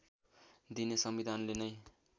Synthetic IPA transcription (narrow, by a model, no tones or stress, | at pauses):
d̪inesʌmbid̪ʱanlenʌj